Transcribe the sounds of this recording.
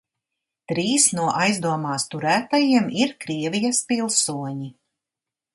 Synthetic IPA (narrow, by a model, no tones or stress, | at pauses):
t̪ɾiːsnuɔʔajzd̪uɔmaːst̪uɾæːt̪ajiɛmiɾkɾiɛvʲijɐspilˠsuɔɲi